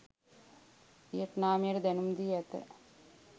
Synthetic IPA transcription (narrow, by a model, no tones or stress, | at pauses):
ʋijɐʈnaːmijɐɾd̪ɛnumd̪ijɛt̪ə̰